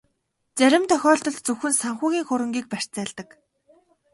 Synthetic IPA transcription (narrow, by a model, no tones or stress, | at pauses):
t͡sæɾʲɪ̆mt̪ʰœxʲɔːɮt̪ɞ̆ɮt̪t͡sɵwxɘ̆nsaɴχʊːɣʲiːŋxʊɾə̆ŋɡʲiːk̚pær̥ʲt͡sæːɮt̪ə̆k